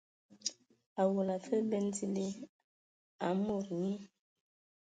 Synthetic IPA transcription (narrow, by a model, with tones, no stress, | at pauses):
a˨wo˨la˨fə˦be˦n˦ti˦li˦ | a˨mo˦˨ɾɲi˦